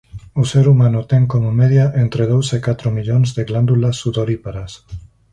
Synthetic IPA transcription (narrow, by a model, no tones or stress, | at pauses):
useɾumanut̪eŋkomomeðjaʔent̪ɾeð̞owsekat̪ɾomiʎonzðeɣland̪ulasːuðoɾipaɾas